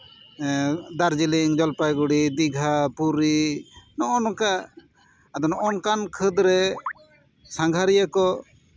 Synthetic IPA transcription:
d̪aɾd͡ʒiliŋd͡ʒɔlpajɡuɽid̪iɡʱapuɾinɔʔɔnɔkaː | d̪ɔnɔʔɔnkankʰəd̪ɾɛ | sãŋɡʱaɾijakɔ

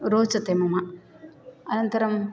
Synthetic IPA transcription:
ɾoːt͡ʃɐt̪emɐma | ɐnɐnt̪ɐɾɐm

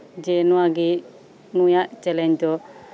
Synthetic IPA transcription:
d͡ʒɛnuaɡi | nujaʔt͡ʃɛlɛɲd͡ʒd̪ɔ

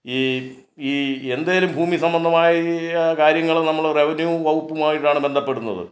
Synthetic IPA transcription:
iː | iːend̪aːjlumbʱuːmisɐmbɐnd̪ʱɐmaːjɐkaːɾjɐŋːɐɭnɐmːɐɭre̞ʋɐnjuʋɐwupːumaːjiʈːaːɳɨbe̞nd̪ʱɐpːe̞ɽunːɐ̰ðɨ̰

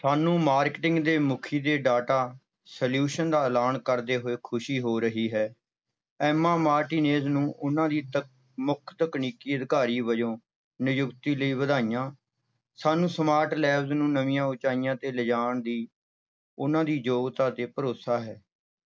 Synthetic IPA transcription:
saːnũːmaːɾkʈɪ̃ŋɡd̪eːmʊkʰiːd̪eːɖaːʈaː | səljuːʃənd̪aːəlaːnkəɾd̪eːɦoːeːkʰʊʃiːɦoːɾəɦiːɦɛː | ɛːmaːmaːɾʈiːneːznũːʔʊnãːd̪iːt̪ | mʊkʰt̪əkniːkiːəd̪ɪkaːɾiːʋəd͡ʒõː | nɪjʊkt̪iːləiːʋəd̪aːijãː | saːnũːsəmaːɾʈlɛːbznũːnəʋĩjãːʊt͡ʃaːijãːt̪eːləd͡ʒaːɳd̪iː | ʊnãːd̪iːd͡ʒoːɡt̪aːt̪eːpəɾoːsaːɦɛː

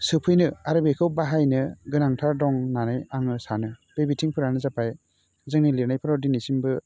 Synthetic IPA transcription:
sɯpʰɯjnɯaɾɯbekʰɯwbaɦajnɯɡɯnaŋtʰaɾdɔŋnanɯjaŋɯsanɯb̥ebitʰiŋpʰɯɾanɯzapʰaj | zɯŋniliɾnajpʰɯɾɔdinisimbɯ

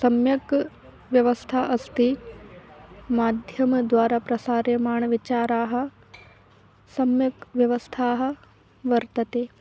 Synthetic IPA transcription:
sɐmjɐk | ʋjɐʋɐst̪ʰaʔɐst̪i | maːd̪ʱjɐmd̪ʋaːɾaːpɾɐsaːɾjɐmaːɳɐʋit͡ʃaːɾaːɦɐ̆ | sɐmjɐkʋjɐʋɐst̪ʰaːɦɐ̆ | ʋɐɾt̪ɐt̪eː

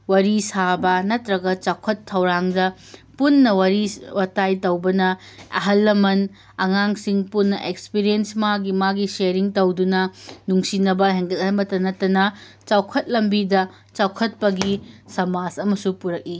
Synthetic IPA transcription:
wɐɾisabɐnɐtɾɐɡɐt͡ʃawkʰɐtʰːɐwɾaŋdɐ | punːɐwɐɾiwɐtajtɐwbɐnɐ | ɐ̰ɦɐlːɐmɐn | ɐŋaŋsiŋpunːɐʔekspiɾiensmaɡimaɡiseɾiŋtɐwdunɐnuŋsinɐbɐɦeŋɡɐt̚mɐtːɐnɐtːɐnɐ | t͡ʃawkʰɐt̚lɐmbidɐ | t͡ʃawkʰɐt̚pɐɡisɐmasɐmɐsupuɾɐk̚i

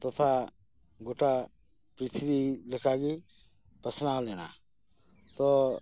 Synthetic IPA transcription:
t̪ɔt̪ʰa | ɡoʈa | pɾit̪ʰibilɛkaɡi | pəsnalɛna̰ | t̪ɔ

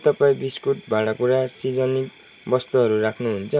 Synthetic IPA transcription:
t̪ʌpaĩbiskuʈbaɽakuɾasid͡zʌnik | bʌst̪uɦʌɾuɾakʰnuɦunt͡sʰʌ

